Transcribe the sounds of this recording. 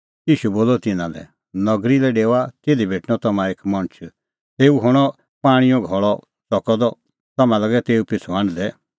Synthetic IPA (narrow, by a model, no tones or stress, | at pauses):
jiːʃuboːlɔt̪ɪnãdɛ̰ | nɔɡɾilɛɖeːwat̪eːd̪ibʱeːʈñɔt̪ɐmãeːkmɐ̃nt͡ʃʰ | t̪eːuɦʊɽ̃ɔ | paːɽ̃ĩjɔ̃ɡʱɔɭɔ | sɔkɔd̪ɔ | t̪ɐmãlɐɡɛt̪eːupɪt͡sʰɔãːɳɖd̪ɛ